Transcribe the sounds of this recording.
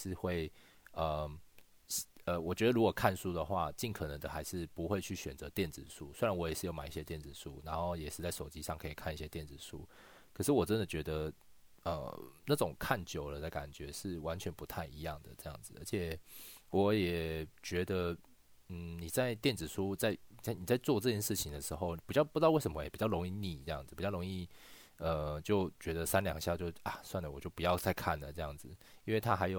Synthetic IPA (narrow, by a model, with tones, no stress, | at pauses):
ɻ̩˥˧xwe˥˨ɪ | ə˩ | ə˧wɔ˨˩t͡ɕɥɛ˧˥d̪ə˧ɻu˥koɔ˨˩kʰa˥˩nsu˥d̪ə˨xwa̰˥˧t͡ɕi˥˩nkʰɤ˨˩nə˧˦ŋd̪ə˨xa˧˥ɪʂɻ̩˥˩pu˧˥xwe˥˧ɪt͡ɕʰy˥˩ɕɥɛ˨˩nt͡sə˧˦t̪jɛ˥˩nt͡sɹ̩˨˩ʂu˥swe˥ɻa˧˦nwɔ˧˥jɛ˨˩ʂɻ̩˥˩jo˧˥ʊma̰˨˩i˥˩ɕjɛ˦˥t̪jɛ˥˩nt͡sɹ̩˨˩ʂu˦na˧˦nxo˥˩ʊjɛ˨˩ʂɻ̩˥˧t͡sa˥˩ɪʂo˨˩ʊt͡ɕi˦˥ʂɑ˥˨ŋkʰɤ˧˥i˨˩kʰa˥˧ni˧˥ɕjɛ˦t̪jɛ˥˩nd͡zɹ̩˨˩ʂṵ˥ | kʰɤ˨˩ʂɻ̩˥˩wɔ˨˩ʈ͡ʂə˦nd̪ə˨t͡ɕɥɛ˧˥d̪ə˧ | ə̰˧˩na˥˩ʈ͡ʂʊ˨˩ŋkʰa˥˩nt͡ɕjo˨˩ʊlə˦d̪ə˨ka̰˨˩nt͡ɕɥɛ˧˦ʂɻ̩˥˩wa˧˦nt͡ɕʰɥɛ˧˥npu˧˦t̪ʰa˥˩ɪi˧˥jɑ˥˨˩ŋd̪ə̰˩ʈ͡ʂɤ˥˧jɑ̰˥˩ŋd͡zɹ̩˩ʔə˧˥t͡ɕʰjɛ˨˩wɔ˨˦jɛ˨˩t͡ɕɥɛ˧˥d̪ə˧ | n̩˥˩ni˨˩t͡sa˥˧ɪt̪jɛ˥˩nt͡sɻ̩˨˩ʂʰu˥t͡sa˥˧ɪni˨˩t͡sa˥˩ɪni˨˩t͡sa˥˧ɪt͡swɔ˥˧ʈ͡ʂɤ˥˧t͡ɕjɛ˥nʂɻ̩˥˩t͡ɕʰi˨ŋd̪ə˩ʂɻ̩˧˥xo˥˧ʊ˨pi˨˩t͡ɕjpu˧˥˧we˥˩ɪʂə˧˦mə˧jɛ˨˩pi˨˩t͡ɕjɑ˥˩lo˧˥ŋi˥˧ni˨˩ʈ͡ʂɤ˥˧jɑ̰˥˩ŋd͡z̩˨˩pi˨˩t͡ɕjɑ˥˩ʊɾo˧˥ŋi˥˩ | ə˧˩t͡ɕjo˥˩ʊt͡ɕɥɛ˧˥d̪ə˧sa˦nljɑ̰˨˩ŋɕja˥˧t͡ɕjo˥˧ʊa˨˩swa˥˩nlə˩wɔ˨˩t͡ɕjo˥˩ʊpu˨jɑ˥˧ʊt͡sʰa˥˧ɪkʰa̰˥˩nlə˩ʈ͡ʂɤ˥˧jɑ˥˩ŋd͡zɹ̩˩i˥nwe˥˩ɪt̪ʰa˦˥xa˧˥ɪjo˨˩